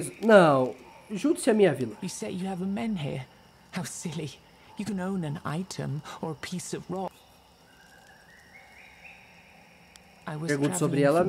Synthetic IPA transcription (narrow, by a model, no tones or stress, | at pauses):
znɐ̃w̃ʒud̪samĩɲavilˠɐjɨsɛjɨːvəmɛ̃nɦḭɹ | haʊsɪlˠi | jɨkɨ̃nõʊ̃nɨ̃na̰ɪɾɨ̰̃mə˞əpʰisʌvɹɔ | ʔaɪwʌɾɣũt̪soβɾiɛlˠɐ